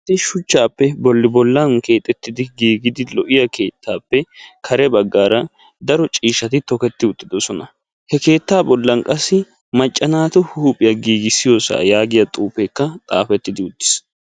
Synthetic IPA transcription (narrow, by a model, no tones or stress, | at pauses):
t̪ːɪʃʊt͡ʃːaːpːɛbɔlːɪbɔlːɐnke̞ːt̪ʼːɛt̪ːɪd̪ɪɡiːɡɪd̪ɪlɔʔɪjɐke̞ːt̪ːaːpːɛkʰɐɾɛbɐɡːaːɾɐ | d̪ɐɾɔt͡ʃʼiːʃːɐt̪ɪt̪ɔkɛt̪ːɪʊt̪ːɪd̪ɔsɔnɐ | hɛke̞ːt̪ːaːbɔlːɐnkʼɐsːɪ | mɐt͡ʃʼːɐnaːt̪ʊhuːpʼːɪjɐɡiːɡɪsːɪjoːsa̰ːjaːɡɪjɐt̪ʼuːpekːɐt̪ʼa̰ːfɛt̪ːɪd̪ɪʊd̪ːɪ̥s